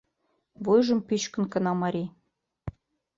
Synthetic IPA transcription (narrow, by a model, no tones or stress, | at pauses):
βujʒə̆mpyt͡ɕkə̆nkə̆nɑmɑɾʲi